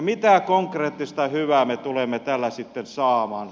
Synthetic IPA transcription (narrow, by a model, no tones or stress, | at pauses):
mit̪æˑkoŋkreːt̪ːist̪ɑhyʋæːmet̪ulemːet̪ælːæsit̪ːensɑːmɑːn